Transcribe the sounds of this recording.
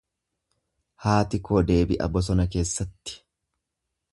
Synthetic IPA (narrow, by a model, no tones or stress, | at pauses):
haːt̪ɪkoːd̪e̞ːbɪʔɐ̰bɔs̬ɔnɐk̬e̞ːsːɐt̪ːɪ̥